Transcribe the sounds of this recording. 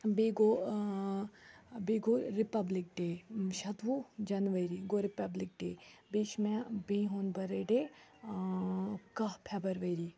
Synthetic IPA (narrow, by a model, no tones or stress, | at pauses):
beːɡo | beɡoɾipɐblik̚ɖeːʃɐt̪ʋud͡ʒɐnʋəɾiɡoɾipɐblik̚ɖeːbiʃmɛ̃bĩɦoːnbɐɾeɖe | kɐpʰɛbɐɾʋɐjɾi